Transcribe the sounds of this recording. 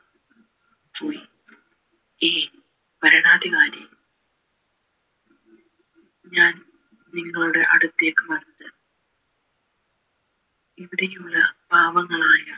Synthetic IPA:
poːji | eː | pɐɾɐɳaːd̪ʱiɣaːɾjɐ | ɲaːn | niŋːɐɭuɽe̞̰ʔɐɽut̪ːe̞ːkːɨmɐnnːɐðɨ | iʋiɽejuɭːɐb̥ʱaːʋɐŋːɐɭaːjɐ

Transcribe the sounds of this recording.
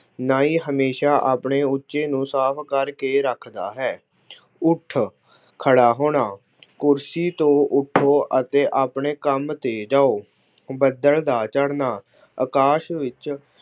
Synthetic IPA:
naːiːɦəmeːʃaːʔaːpɳeːʊtːʃeːnũːsaːpʰkəɾkeːɾəkʰd̪aːɦɛː | ʊʈʰ | kʰəɽaːɦoːɽ̃aː | kʊɾsiːt̪õːʔʊʈʰːoːʔət̪eːʔaːpɳeːkəmt̪eːd͡ʒaːoː | bəd̪əld̪aːt͡ʃəɽnaː | əkaːʃʋɪt͡ʃ

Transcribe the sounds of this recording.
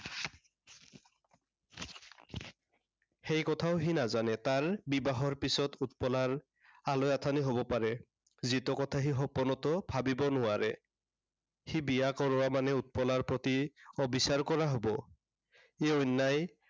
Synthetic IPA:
hejkɔt̪ʰaʊɦinazanɛt̪aɹbibaɦɔɹpisɔtʰut̪̚pɔlaɹ | alojat̪ʰaniɦobɔpaɹɛ | zit̪ɔkɔt̪ʰaɦiɦɔpɔnɔt̪ɔbʱabibɔnʊaɹɛ̰ | hibiakɔɹɔwamanɛut̪̚pɔlaɹpɹɔt̪iɔbisaɹkɔɹaɦobɔ | eɔnːaj

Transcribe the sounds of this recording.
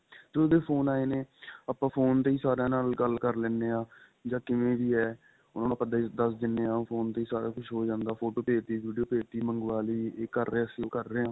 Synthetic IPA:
t̪od̪eːpʰoːnaːeːneːəpãːpʰoːnt̪eːiːsaːɾãːnaːlɡəlkəɾlɛːneːãː | d͡ʒãːkɪmẽːʋiːɛː | ʊnãːnːpəd̪aːid̪əs̬d̪ɪnːeːãːpʰoːnt̪eːiːsaːɾãːkʊt͡ʃʰɦoːd͡ʒãːnd̪aːpʰoːʈoːpeːt̪iːʋiːɖijoːpeːt̪iːməŋɡʋaːliːeːkəɾːeːəsiːoːkəɾːeːãː

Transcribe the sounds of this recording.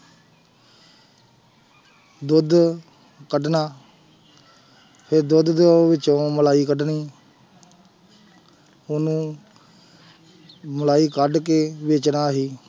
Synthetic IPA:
d̪ʊd̪ | kəɖnaː | pʰɪɾd̪ʊd̪d̪ʋɪt͡ʃõːməlaːiːkəɖniː | ʊnũː | məlaːiːkəɖkeːʋeːt͡ʃnaːɦiː

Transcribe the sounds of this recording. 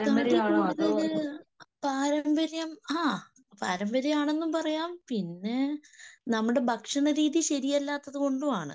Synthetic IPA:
kɐɳɖikuːɽuðɐl | paːɾɐmbɐɾjɐmaː | pa̰ːɾɐmbɐɾjɐmaːɳe̞nːumpɐrɐjaːmpinːe̞nɐmːuɽe̞bʱɐkʂɐɳɐɾiːðiɕɐɾijɐlːaːt̪ːɐðɨko̞ɳɖuaːɳɨ̰

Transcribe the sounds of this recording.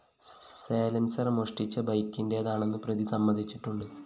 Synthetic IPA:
seːlɐnsɐrmoʂʈit͡ɕːɐbɐjkʲːinde̞ɐðaːɳe̞nːɨprɐðisɐmːɐnd̪ʱit͡ɕːiʈːuɳɖɨ

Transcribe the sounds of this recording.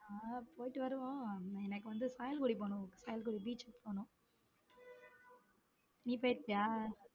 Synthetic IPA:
aːpoːjʈːɯʋɐɾɯʋõːɛnɐkːɯʋɐnd̪ɯsaːjɐlkuːɽipoːnʊ̃kːsaːjɐlkuːɽibiːt͡ʃːɯkpʰoːnʊ̃ | niːp̬oːjɪɾt̪ːɪjaː

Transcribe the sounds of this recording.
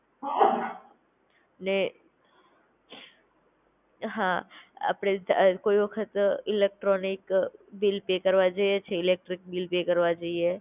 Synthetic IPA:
ne | ɦãɐ̰pɽekoːibɐkʰət̪ɪleːk̚ʈɾɔːnɪkbilpeːkɐɾʋad͡ʒaiet͡ʃʰeɪleːk̚ʈɾɪk̚bilpeːkɐɾʋad͡ʒaie

